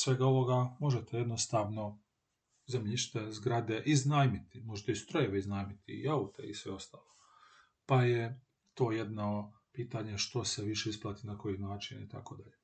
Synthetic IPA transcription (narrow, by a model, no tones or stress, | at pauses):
sʋe̞ɡao̞ʋo̞ɡamo̞ʒet̪ʰeje̞d̪nost̪aːʋno̞ | zemʎiʃt̪ezɡɾad̪eʔiznaːjmit̪imo̞ʒet̪eist̪ɾo̞jeʋeiznaːjmit̪ḭaut̪ḛisʋeo̞st̪aːlˠo | paje | t̪o̞ːje̞d̪na | piːt̪aɲeʃt̪o̞seʋiʃe̞isplˠat̪inako̞jinaːt͡ʃinḭt̪a̰ko̞d̪aʎe